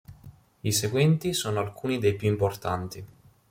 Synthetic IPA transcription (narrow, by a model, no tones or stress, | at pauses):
iseɡwɛnt̪isoːnoalkʰuːnid̪ejpjuimport̪ant̪i